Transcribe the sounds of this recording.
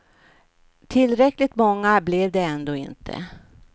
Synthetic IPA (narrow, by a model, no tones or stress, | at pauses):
t̪ʰɪlːɾɛklɪt̪mɔŋːablɛvd̪ɛɛnd̪oːɪ̰nt̪ʰə̰